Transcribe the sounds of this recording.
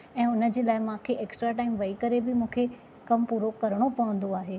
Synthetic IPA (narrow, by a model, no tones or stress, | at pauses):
ɛ̃ːʊnə̆d͡ʑeːlaːɪmãːkʰeʔeːksʈɾaʈaːɪmʋɐikɐɾebɪmũːkʰe | kɐmpuːɾokɐɾəɽ̃opɐʋə̃nd̪oaːɦeː